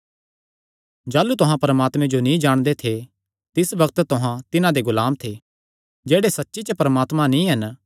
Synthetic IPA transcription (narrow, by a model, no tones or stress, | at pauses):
d͡ʒaːlut̪ʊɦãpɐɾəmaːt̪mẽd͡ʒonĩd͡ʒaːɽ̃d̪et̪ʰe | t̪ɪsʋɐk̚t̪t̪ʊɦãt̪ɪnãd̪eɡʊlaːmt̪ʰe | d͡ʒeːɽesɐtːʃit͡ʃəpɐɾəmaːt̪mãnĩɦɐn